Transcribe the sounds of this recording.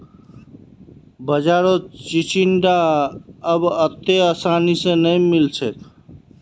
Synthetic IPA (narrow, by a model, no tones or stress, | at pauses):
bəd͡ʒaɾot͡ʃit͡ʃiɳɖa | əbət̪easanisẽnəjmilt͡ʃʰɛt̪